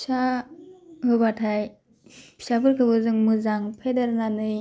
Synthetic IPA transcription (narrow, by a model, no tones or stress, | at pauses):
sa | ɦɯbatʰaj | sabɯɾkʰɯbɯzɯŋmɯzaŋpʰedaɾnanɯj